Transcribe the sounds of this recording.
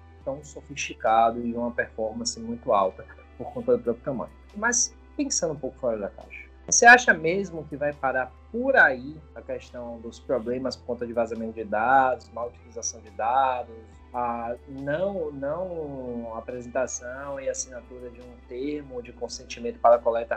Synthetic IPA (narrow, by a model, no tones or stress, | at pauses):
t̪ɐ̃w̃sofiʃt͡ʃikad̪ʊɪũmɐpɛɾfɔɾmɐ̃sɪmũj̃t̪ʊawt̪ɐ | poɾkõnt̪ɐd̪ʊpɾɔpjʊt̪ɐ̃mɐ̰̃jɲʊmas | pẽsɐ̃nd̪ʊũpowkʊ̥fɔɾɐd̪ɐka̰ʃɐ̥voseaʃɐmezmʊkɪvajpaɾaɾpoɾaiɐkɛʃt̪ɐ̃w̃d̪ʊspɾɔblẽmɐspoɾkõt̪ɐd͡ʒɪvazamẽnt̪ʊd͡ʒɪd̪ad̪ʊsmawut͡ʃilizasɐ̃w̃d͡ʒɪd̪ad̪ʊs | anɐ̃w̃nɐ̃w̃aːpɾezẽnt̪asɐ̃w̃ɪasinat̪uɾɐd͡ʒɪũt̪eɾmʊd͡ʒɪkõsẽnt͡ʃimẽnt̪ʊ̥paɾɐkɔlɛt̪ɐ